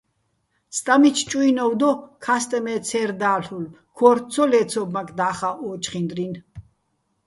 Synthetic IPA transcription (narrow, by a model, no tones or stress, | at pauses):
st̪ʼamit͡ʃʰt͡ʃʼuinɔwd̪ɔkʰast̪ʼɛmɛt̪t͡sʰɛɾd̪aːɬul | kʰɔɾt̪t͡s̪ʰɔlɛːt̪sʰɔbmakʰd̪aːχaʔɔːt͡ʃχind̪ɾin